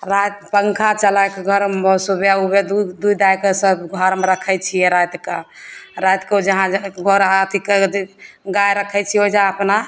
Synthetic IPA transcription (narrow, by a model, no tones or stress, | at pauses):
ɾajt̪pəŋkʰat͡ʃəlakeɡʱəɾsubjaubed̪d̪uid̪ajkesəbɡʱəɾmeɾəkʰɛt͡ʃʰijɛɾajt̪kaɾajt̪ked͡ʒəɦãd͡ʒɡʱoɾɦat̪ike | ɡajɾəkʰɛt͡ʃʰiod͡ʒaəpna